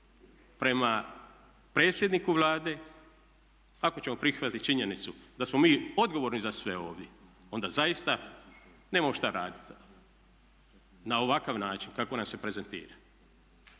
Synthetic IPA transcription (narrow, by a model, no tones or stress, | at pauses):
pɾe̞ma | pɾe̞ːt̪sjed̪nikuʋlˠaːd̪e̞ | ako̞t͡ɕe̞mo̞pɾixʋat̪it̪t͡ʃiɲe̞nit̪sud̪asmo̞miːo̞d̪ɡo̞ʋo̞ɾnizasʋe̞o̞̰ːʋd̪je̞ | o̞nd̪azaist̪a | neːmamoʃt̪aɾa̰ːd̪i̥t̪ | nao̞ʋakaʋnaːt͡ʃinkako̞namse̞pɾe̞ze̞nt̪ḭːɾa